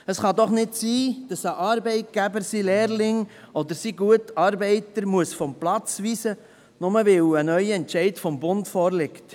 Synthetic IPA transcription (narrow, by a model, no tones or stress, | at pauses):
əsχɑd̪ɔχnɪdsiːd̥ɑsəʔɑːɾbɛɪt̚ɡ̥æbəɾsileːɾlɪŋɔd̪əɾsiɡuətɑːɾbɛɪtəɾmuəsfɔmplɑt͡sʋiːsə | nʊməʋɪwənœʏɛntʃɛɪtfɔmbʊntfɔːɾlɪkt